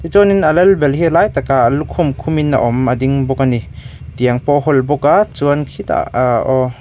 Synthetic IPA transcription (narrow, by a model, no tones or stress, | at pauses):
t̪it͡sɔninɐlɛlbɛlɦilaːjt̪akaʔlukʰːumkʰumina̰ʔɔmɐdiŋbɔkani | t̪iəŋpɔɦɔlbɔkat͡suənkʰit̪a̰ʔɔ